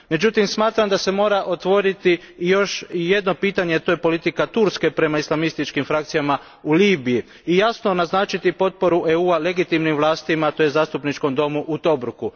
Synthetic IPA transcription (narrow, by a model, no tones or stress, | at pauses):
me̞d͡ʒut̪imsmaːt̪ɾamd̪ase̞mo̞ːɾaʔo̞t̪ʋo̞ɾit̪i | jo̞ʃje̞d̪no̞piːt̪aɲet̪o̞je̞po̞lit̪ikat̪uɾske̞pɾe̞maislˠamist̪it͡ʃkimfɾakt̪sijama | uliːbiji | ijasno̞naznaːt͡ʃit̪ipo̞t̪̚po̞ɾuʔeuːale̞ɡit̪imnimʋlˠaːst̪imat̪o̞jezaːst̪upnit͡ʃko̞md̪o̞muʔut̪o̞bɾuku